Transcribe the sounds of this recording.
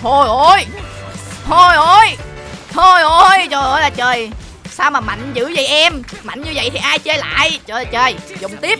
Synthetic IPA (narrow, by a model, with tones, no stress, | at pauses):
t̪ʰo˧jʔo˧j | t̪ʰo˧jʔo˧˩j | t̪ʰo˧jʔo˧jt͡ɕəː˨˩jʔo˧˩jlaː˨˩t͡ɕəː˨˩j | saː˧wmaː˨˩ma̰˧˨jŋ̟zɨ̰˧˥zi˨˩jʔɛ˧mma̰˧˨jnɲɨ˧və̰˧˨jt̪ʰi˨˩ʔaː˧jt͡ɕə˧jla̰ː˧˨jt͡ɕəː˨˩laː˨˩t͡ɕəː˨˩jzʊ̰˧˨wŋ͡mt̪i˦˥əp̚